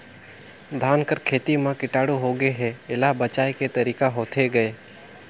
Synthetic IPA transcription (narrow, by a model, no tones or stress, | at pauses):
d̪ʱaːnkəɾkʰeːt̪imãkɪʈaːɽuɦoɡəeɦɛ̃ɪlaɦbɐt͡ʃaːeket̪ɐɾiːkaɦoːt̪ʰeɡɐeː